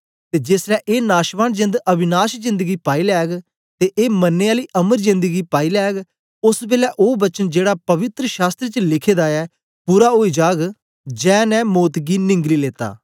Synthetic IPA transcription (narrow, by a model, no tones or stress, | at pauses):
t̪eːd͡ʒeːsɾɛːʔeːnaːʃʋaːnd͡ʒɪ̃nd̪əbɪnaːʃzɪ̃nd̪əɡiːpaːiːlɛːɡ | t̪eːʔeːmənːeːaːliːʔəməɾzɪ̃nd̪əɡiːpaːiːlɛːɡ | ʊsbeːlɛːʔoːbət͡ʃənd͡ʒeːɽaːpəʋɪt̪ɾəʃaːst̪ɾət͡ʃəlɪkʰeːd̪aːɛː | puːɾaːɦoːiːd͡ʒaːɡ | d͡ʒɛ̃ːnɛ̃ːmoːt̪ɡiːnɪ̃ŋɡliːleːt̪a̰ː